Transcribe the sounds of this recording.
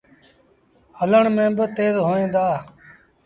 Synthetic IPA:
hələɳmẽːbət̪eːzɦoːẽːnd̪aː

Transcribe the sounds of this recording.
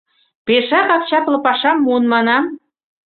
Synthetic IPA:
peʃɑkɑk̚t͡ɕɑplˠɤ̆pɑʃɑmːunmɑnɑm

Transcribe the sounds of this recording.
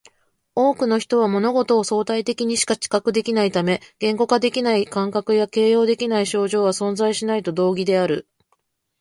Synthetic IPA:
o̞ːkɯ̟no̞çi̥t̪o̞β̞amo̞no̞ɡo̞t̪o̞ːso̞ːt̪ait̪e̞kʲiɲ̟iɕi̥kat͡ɕi̥kakɯ̟d̪e̞kʲinait̪ame̞ɡ̥ẽ̞ŋɡo̞ɡad̪e̞kʲinaikãŋkakɯ̟jake̞ːjo̞ːd̪e̞kʲinaiɕo̞ːʑo̞ːβasõ̞nzaiɕinait̪o̞d̪o̞ːɡʲid̪e̞aɾɯ̟̰

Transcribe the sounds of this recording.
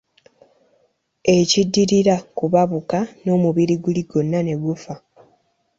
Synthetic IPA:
e̞cidːiɾiɾakuβaβukano̞ːmuβiɾiɡuliɡo̞nːane̞ɡufa

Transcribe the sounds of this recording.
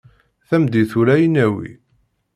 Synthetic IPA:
θæmd̪iθuɾæjənæwḭ

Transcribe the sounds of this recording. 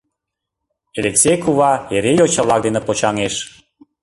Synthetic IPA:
elekt͡sekuβɑjeɾejot͡ɕə̆βlɑk̚d̪enĕpot͡ɕɑŋeʃ

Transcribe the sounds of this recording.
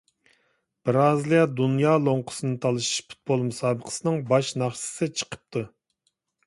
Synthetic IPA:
b̥ɨɾɑːzlˠijɑd̪unjɑːlˠoɴqʰʊ̥sɨnɨt̪ʰɑlˠɨʃi̥ʃpʰu̥t̪̚bolˠmusɑːbəqʰə̥sɨnɨŋbɑʃnɑχʃɨ̥sɨt͡ʃʰə̥qʰə̥p̚t̪ʰu

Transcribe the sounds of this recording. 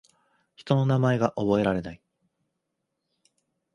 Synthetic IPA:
çi̥t̪o̞no̞namae̞ɡaʔobo̞e̞ɾaɾe̞nai

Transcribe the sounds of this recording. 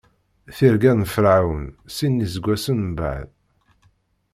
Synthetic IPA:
θiɾɡænfɾawənsinːizəɡʷːæsənba̰ʕð

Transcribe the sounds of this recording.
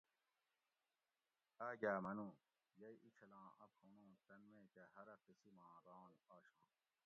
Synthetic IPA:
aːɡaːmɐnũː | jɐjʔit͡ɕʰɐlãːʔɐ̰phunõːt̪ɐnmẽːkɐɦɐɾɐtisimãːɾãːnaːɕã̰ː

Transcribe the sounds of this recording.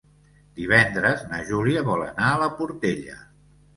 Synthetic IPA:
d̪̥iβ̞ɛnd̪ɾəznə̰ʒuliəβɔlə̰naələpuɾt̪eʎə̰

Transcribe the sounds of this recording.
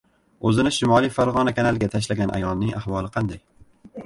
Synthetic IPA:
ɵzɪnɪʃɪmɒlˠijfaɾʁɒnakʲʰanalˠɡʲat̪ʰaʃ̬laɡʲanʔa̰jɒlˠnɪŋahwɒlˠɪqʰɑnd̪aj

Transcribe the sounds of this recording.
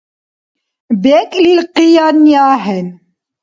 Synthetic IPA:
bɛkʼlilqijɑnjaɦɛn

